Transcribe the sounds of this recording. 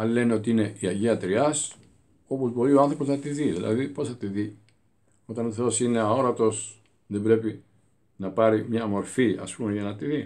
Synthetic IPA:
ɐlile̞neo̞t̪iine̞ʔiɐʝiɐt̪ɾiɐs | o̞po̞zbo̞ɾioɐnθɾo̞po̞znɐt̪iðiðilʔɐ̰ðipo̞sθɐt̪iði | o̞t̪ɐnoθo̞sine̞ɐo̞ɾɐt̪o̞s | ðe̞bɾe̞pi | nɐpɐɾimɲɐmo̞ɾfiɐ̰spumeʝɐnɐt̪iði

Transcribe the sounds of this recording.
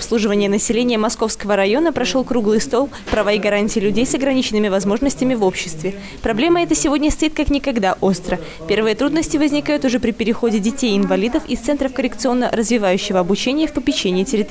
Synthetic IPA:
ɐpslˠuʐɨvənʲɪjənəsʲɪlʲenʲɪjəmɐsko̞fskəvəɾɐjo̞nəpɾɐʂolˠkɾuɡlˠɨjst̪o̞lˠpɾɐvaɪɡɐɾanʲtʲɪjɪlʲʉdʲejsɐɡɾɐnʲit͡ɕɪnɨmʲɪvɐzmo̞ʐnəsʲtʲɪmʲɪvo̞pɕːɪ̥st̪vʲɪ | pɾɐblʲeməɛt̪əsʲɪvo̞dʲnʲəst̪ɐit̪̚kaknʲɪkɐɡd̪aʔo̞st̪ɾə | pʲe̞rvɨjət̪ɾud̪nəsʲtʲɪvəzʲnʲɪkajʊt̪ʊʐɛpɾʲɪpʲɪɾʲɪxo̞dʲɪdʲɪtʲejɪnvɐlʲid̪əfɪ̰st̪sɛnt̪ɾəfkəɾʲɪkt̪sɨo̞nːə̰ɾəzvʲɪvajʉɕːɪvəɐbʊt͡ɕenʲɪjəfpəpʲɪt͡ɕːenʲɪɪtʲɪɾʲɪt̪

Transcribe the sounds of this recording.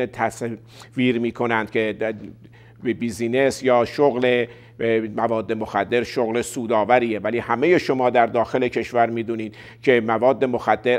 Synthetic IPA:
et̪ʰæs | viːɾmiːkʰo̞nænd̪̚cʰe | bebiːziːne̞sjɒːʃoɣle | mævɒːd̪ːe̞moxæd̪ːe̞ɾʃoɣlesuːd̪ɒːvæɾiːjevæliːhæme̞je̞ʃo̞mɒːd̪æɾd̪ɒːxe̞lecʰe̞ʃvæɾmiːd̪uːniːd̪ | cʰe̞mævɒːd̪ːe̞moxæd̪ːe̞ɾ

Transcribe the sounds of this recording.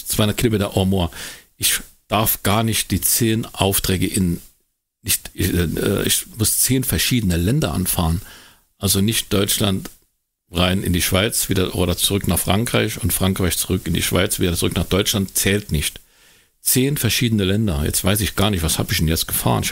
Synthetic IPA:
t͡sv̥aɪʊndɐtkʰilomeːtɐʔoɐmoːɐʔɪç | d̥aɐfɡ̥aːɐnɪçt̚d̥iːt͡seːnʔaʊftʁ̥ɛːɡəʔɪn | nɪçtɪɛ̰ːʔɪ̰çmʊst͡seːnfɛɐʃiːdənəlɛndɐʔa̰nfaːʁən | ʔalzonɪçt̚d̥ɔʏt͡ʃlant | ʁaɪnɪ̰ndiːʃv̥aɪt͡sv̥iːdɐʔo̰ːɾɐt͡suʁʏknaːχfʁ̥aŋkʁ̥aɪçʊntfʁ̥aŋkʁ̥aɪçt͡suʁʏkɪndiːʃv̥a̰ɪt͡sv̥iːdɐt͡suʁʏknaːχd̥ɔʏt͡ʃlantt͡sɛːltnɪçt | t͡seːnfɛɐʃiːdənəlɛndɐjɛ̰t͡stv̥aɪsɪçɡ̥aːɐnɪçtv̥asha̰ːbɪçd̥ɛnjɛt͡st̚ɡ̥əfa̰ːʁənɪ

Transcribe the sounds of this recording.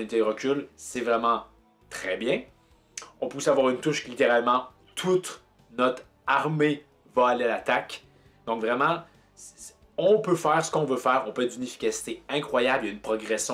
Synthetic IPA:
ɛnit̪ed̪ʁəkʲylsɛvʁɛmɑ̃ | t̪χɛbjɛ̃ | ɔ̃pusavwaʁynt̪uʃlit̪eʁalmɑ̃ | t̪ʰut̪ | nɔt̪χ | aʁme | vaalealat̪ak | d̪ɔ̃kvʁɛmɑ̃ | ɔ̃pøfɛːʁsə̥kɔ̃vøfɛːʁɔ̃pøɛt̪d̪ynefi̥kʲasi̥t̪eɛ̃kχwajabljaynpχɔɡʁɛsjɔ̃

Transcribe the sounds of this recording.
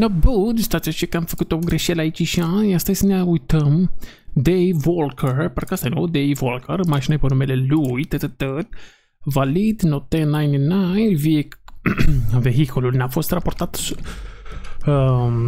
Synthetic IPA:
nəbud̪st̪at͡ʃ̪at͡ʃəkamfəkut̪oɡɾɛʃɛlait͡ʃiʃãast̪ajsənaujt̪əm | d̪ejvɔlkʰəɾpaɾkast̪ajnud̪ejvɔlkʰəɾmaʃinajpənumɛlɛlujt̪ət̪ət̪ət̪̚ | valid̪not̪ɛnajnənajviɛk | vɛɦikʰululnafɔst̪ɾapɔɾt̪at̪

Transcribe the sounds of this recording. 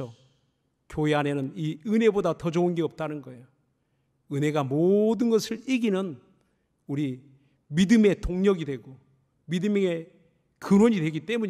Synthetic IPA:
ʌ | kjoeane̞nɯniɯne̞bodatʌd͡ʑʌunɡeʌp̚t͈anɯnɡʌejo | ɯne̞ɡamodɯnɡʌsʰɯɾiɡinɯn | uɾi | midɯme̞toŋɲʌɡidwe̞ɡo | midɯmŋe̞ | kɯɾwʌɲidwe̞ɡit͈e̞muɲ

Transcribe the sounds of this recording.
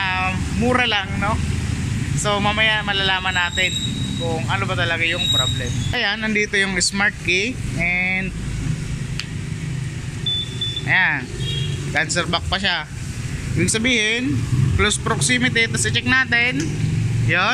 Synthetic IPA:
amːuːɾɐlaŋno̞ | so̞mɐmɐjamɐlalaːmɐnːaːt̪ɪnkʊŋʔɐnopɐt̪ɐlɐɡajʊŋpɾoblɛmʔɐjanːɐnd̪iːt̪o̞jʊŋɪsmaɹt̪̚kiʔɛnd̪̚ | ʔɐ̰jankansɛɾbɐk̚pɐʃa | ʔibɪɡ̚sɐbiːhɪnklospɾoksimɪt̪̬ɪt̪ːɐsɪt͡ʃɛk̚naːt̪ɪnjo

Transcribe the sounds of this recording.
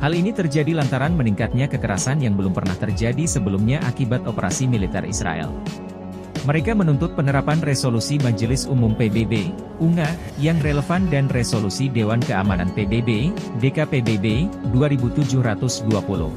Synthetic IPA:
halinit̪ərd͡ʒadilant̪aɾanməniŋkat̪̚ɲakəkəɾa̰sanjaŋbəlʊmpərnaht̪ərd͡ʒadisəbəlumɲaʔakibat̪opəɾa̰similit̪ɛ̰rḭsɾa̰ʔɛ̰l | məɾekamənunt̪ʊt̪̚pənəɾapanresolusimad͡ʒəlɪsumʊmpebebe | uŋa | jaŋreləfandanresolusidewankəamananpebebedekapebebeduaɾibut̪ud͡ʒʊhɾat̪ʊsduapulʊ̰h

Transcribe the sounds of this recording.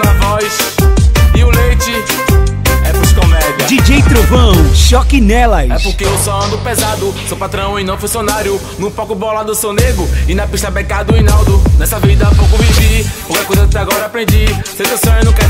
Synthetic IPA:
ɐvɔjs | ɪʊlejt͡ʃɪ | ɛpuskõmɛd͡ʒɐd͡ʒid͡ʒejt̪ɾovɐ̃w̃ʃɔkinɛlɐɛpoɾkeewsɔɐ̃nʊpezad̪ʊsowpat̪ɾɐ̃w̃ẽnɐ̃w̃fũsionaɾjʊ | nũpɔkʊbɔlad̪ʊsewneɡɾʊɪnɐpiʃt̪ɐbɛkad̪ʊĩnawd̪ʊnɛsɐvid̪ɐpowkʊvivipohkeakojzɐkɪt̪ɛaɡɔɾɐapɾẽnd͡ʒisẽt̪esõnɐ̃w̃kɛɾ

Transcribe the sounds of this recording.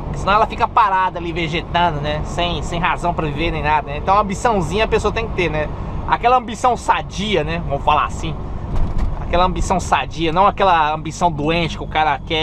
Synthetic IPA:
sɪnɐ̃w̃ɛlɐfikɐpaɾad̪ɐaliveʒet̪ɐ̃nd̪ʊnɛsẽj̃sẽj̃ɦazɐ̃w̃pɾɐvivenẽj̃nad̪ɐnɛẽt̪ɐ̃w̃ɐ̃mbisɐ̃w̃zĩɲɐpesoɐt̪ẽj̃kɪ̥t̪eɾnɛakɛlɐɐ̃mbisɐ̃w̃sad͡ʒiɐnɛvɐ̃mʊfala̰asĩ | a̰kɛlɐɐ̃mbisɐ̃w̃sad͡ʒiɐnɐ̃w̃akɛlɐɐ̃mbisɐ̃w̃d̪oẽt͡ʃɪ̥kɪʊkaɾɐkɛ

